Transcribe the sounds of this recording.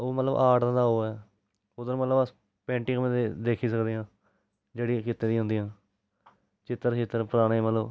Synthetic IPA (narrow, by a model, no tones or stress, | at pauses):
oːmət̪ləbʔaːʈːd̪aːɦoːɛː | ʊd̪əɾmət̪ləbs | pɛ̃ːɳʈĩːkmẽːd̪eːd̪eːkʰiːs̬əkd̪eːãː | d͡ʒeːɽiːkɪt̪ːẽːd̪ĩːɦʊ̃nd̪iːãː | t͡ʃɪt̪ːəɾet̪ːəɾpəɾaːɽ̃eːmət̪ləb